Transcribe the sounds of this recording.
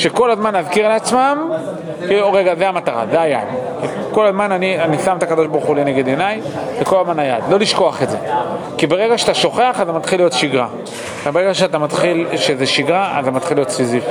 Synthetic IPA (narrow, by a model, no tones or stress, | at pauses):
ʃeko̞lazmanaðkiʁleat͡smam | kiluʁe̞ɡazeamat̪aʁa̰zeaja̰mki | ko̞lazmananianisamt̪akad̪o̞ʃbaʁχulene̞ɡe̞d̪e̞naj | veko̞lazmanajad̪lo̞liʃko̞aχeze̞ | kibeʁe̞ɡaʃeat̪aʃo̞χe̞aχat̪amat̪χilːijo̞tʃiɡʁa̰ | abeʁeɡaʃ̬eat̪amat̪χilʃezeʃiɡʁaʔa̰zamat̪χilːijo̞t̪siziv